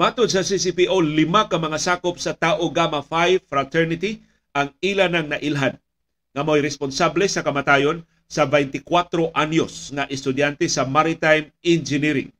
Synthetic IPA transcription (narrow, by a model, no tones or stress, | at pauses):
mat̪ʊd̪̚sɐsisipiʔolɪmakɐŋmɐŋasaːkop̚sɐt̪aːʔoɡamafajfɾat̪ɛɾnɪt̪i | ʔaŋilanaŋnɐʔilɦad̪ | ŋamojɾɛsponsablɛsɐkɐmat̪aːjon | sɐbɛjnt̪ɪkwat̪ɾoʔanjosŋaʔɛst̪ʊd̪jant̪ɛsɐmaɾɪt̪ajmɪnd͡ʒɪniɾɪ̰ŋ